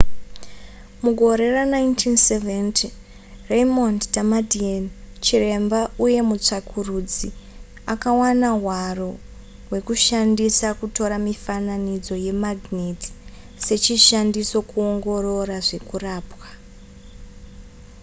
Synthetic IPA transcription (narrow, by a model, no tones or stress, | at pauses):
muɡʱo̞ɾe̞ranaintʰinseventi | rejmonddamadiant͡ʃire̞mbauje̞mut͡ʂakʰurud͡zi | akawanaɦwaro | we̞kuʃandisakuto̞ɾamifananid͡zo̞je̞maɡʱniti̥ | se̞t͡ʃiʃandiso̞kuoŋɡo̞ro̞raʐe̞kuraːpwa